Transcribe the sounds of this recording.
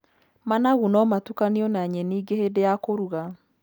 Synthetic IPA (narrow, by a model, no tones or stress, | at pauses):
manaɣunɔmatukaniɔnaɲɛniːɡehedejakoɾuɣa